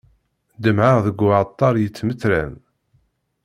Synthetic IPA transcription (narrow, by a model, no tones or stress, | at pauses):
d̪əmʕaʁðəɡʷat̪ˤːɑɾˤjət͡sːməθɾæ̰n